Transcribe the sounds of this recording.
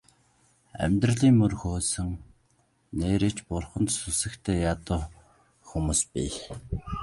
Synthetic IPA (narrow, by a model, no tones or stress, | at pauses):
æ̰mʲt̪rə̆ɮiːŋmɵrxoːsɘ̆ŋ | neːɾĕːt͡ɕpʊrχə̆nt̪susɘ̆kt̪ʰeːjat̪ʊː | xumuːspi